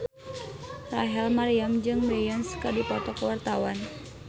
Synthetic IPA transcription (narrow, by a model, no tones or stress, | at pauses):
raɦɛlmaɾiamd͡ʒɨŋbejanskədipɔt̪ɔkəwart̪awan